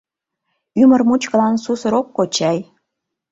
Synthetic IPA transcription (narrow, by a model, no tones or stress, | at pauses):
ymə̆rmut͡ɕkɤ̆lɑnsusə̆ɾokːot͡ɕæj